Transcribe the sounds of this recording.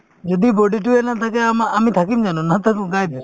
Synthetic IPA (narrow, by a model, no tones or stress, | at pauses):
d͡ʒod̪iboɖiʈ̬uenat̪ʰakeamamit̪ʰakimd͡ʒanunat̪ʰakɡajd̪i